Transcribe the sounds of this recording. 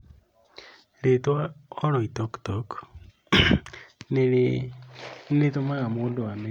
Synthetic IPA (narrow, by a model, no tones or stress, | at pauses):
ɾetwaɔɾɔitɔktɔk | ne | nnetomaɣamoːndowame